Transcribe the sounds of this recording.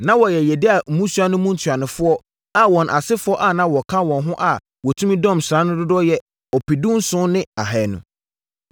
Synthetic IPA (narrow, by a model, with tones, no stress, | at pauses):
nã˦wɔ˨jɛ˨jɛ˨dɪ˦a˨m̩˨mũ˦su˦a˦nʊ̃˦mũ˦n̩˨tʰɥa˨nʊ̃˨fʊ˦ɔ˦ | a˨wɔ̃˨nʔa˨sɪ˦fʊ˦ɔ˦ʔa˨nã˦wɔ˨kʰã˦wɔ̃˨nɦʊ̃˦ʔa˨ | wɔ˨tʰũ˦mĩ˦dɔ̃˦˨msɾã˨˦nʊ̃˦dʊ˦dɔ˦jɛ˦ | ɔ˨pi˨dũ˦nsʊ̃˦nɪ̃˦a̰˨ɦɛ˨nʊ̰̃˨